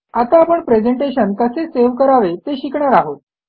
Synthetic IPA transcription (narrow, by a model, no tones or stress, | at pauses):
at̪aːpəɳpɾed͡zeɳʈeɕənkəseseʋkəɾaʋet̪eɕikɳaɾaɦot̪̚